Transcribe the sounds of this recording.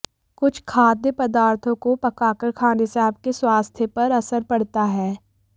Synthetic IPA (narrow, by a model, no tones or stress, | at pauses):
kʊt͡ʃʰkʰaːd̪jəpɐd̪aːɾt̪ʰõkopɐkaːkəɾkʰaːnesɛɦəb̚keswaːst̪ʰjəpɐɾɐsəɾpɐɽt̪aɦɛː